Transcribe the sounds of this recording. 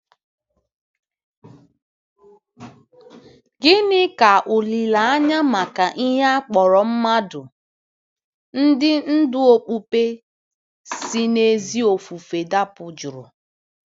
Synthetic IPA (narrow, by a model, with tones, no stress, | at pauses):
ɡɪ˦nɪ˦ka˨ʔʊ˨li˨la˨a˦ɲa˦ma˨ka˨ʔi˦ɦe˦a˦k͡pɔ˨ɾɔ˨m̩˦ma˦dʊ˨ | n̩˦dɪ˦n̩˦dʊ˦o˦k͡pu˦pe˦ | si˦ne˦zi˦o˨fu˨fe˨da˦pʊ˨d͡ʒʊ˨ɾʊ˨